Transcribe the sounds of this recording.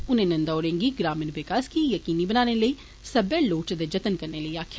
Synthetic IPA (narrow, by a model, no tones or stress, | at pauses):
ʊnẽːnɐ̃nd̪aoːɾẽːŋɡiɡɾaːmənʋɪkaːskijəkiːnibənaːneləiː | sɐbeloːt͡ʃd̪ed͡ʒɐt̪ənkəɾneləiaːkʰ